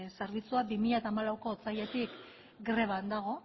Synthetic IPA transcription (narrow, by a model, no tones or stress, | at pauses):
saɾβit͡suabimiʎat̪aːmalawko̞t͡saje̞t̪ik | ɡɾe̞β̞and̪aɣ̞o̞